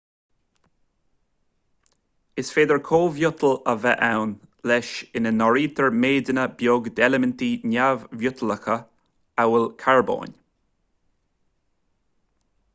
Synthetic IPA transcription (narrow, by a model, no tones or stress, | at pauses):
ɪsfeːd̪əɹkʰoːvjʊt̪ʰələvɛʔawn | lɛʃɪnənɔɹiːt̪ʰəɹmeːd̪ənəbjoːɡd̪ɛləmənt̪inavvjʊt̪ʰələxə | awəlkʰaɹbo̰ːnʲ